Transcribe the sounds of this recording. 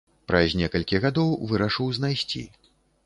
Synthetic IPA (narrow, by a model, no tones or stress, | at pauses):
pɾɐzʲnʲɛkɐlʲkʲiɣad̪ɔwvɨɾɐʂɨwznajsʲt͡sʲḭ